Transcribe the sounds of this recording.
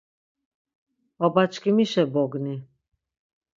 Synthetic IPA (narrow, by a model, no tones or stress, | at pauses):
ɔbat͡ʃʰkʰimiʃɛbɔɡni